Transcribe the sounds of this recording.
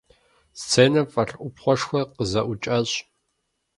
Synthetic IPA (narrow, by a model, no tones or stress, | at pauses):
st͡sʰeːnɐfʼɐɬʔʷʊpχʷɔʂxʷɔqəzɐʔʷʊt͡ʃʼɐɕʼ